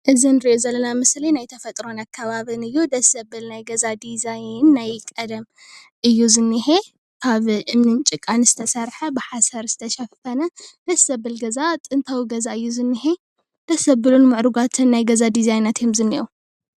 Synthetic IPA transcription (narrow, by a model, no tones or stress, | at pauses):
ʔɨzinɨɾiʔozɐlːɐnamɨslinajt̪ʰɐfɐt̪ʼɾo̞nakʰːaβaβɨnɨjːud̪ɐsɐbɨlnajɡɐzad̪izajnːajkʼɐd̪ɐm | ʔɨjːuzɨnːɨhe | kʰaβʔɨmnɨnt͡ʃʼɨkʼanzɨt̪ʰɐsɐɾħɐbɨħasɐɾz̥ɨt̪ʰɐʃɐffɐnɐd̪̥ɐsɐbɨlɡɐzat̪ʼɨnt̪ʰawɡɐzaɨjːuzɨnːɨhe̞ | d̪̥ɐsɐbɨlunmɨʕɾuɡat̪ʰɨnːajɡɐzad̪izajnɐt̪jomzɨnːiʔu